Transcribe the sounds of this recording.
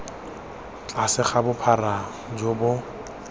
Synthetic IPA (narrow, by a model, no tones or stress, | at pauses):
t͡ɬʼasɪχabʊpʰara | d͡ʒobʊ